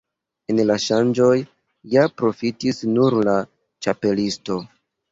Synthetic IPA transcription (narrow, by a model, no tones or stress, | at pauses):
enlaʃand͡ʒo̞j | japɾo̞fitisnuɾla | t͡ʃape̞listo̞